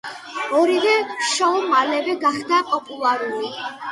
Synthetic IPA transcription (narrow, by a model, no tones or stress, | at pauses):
ɔɾivɛʃɔmalɛvɛɡaχd̪apʼɔpʼulˠaɾuli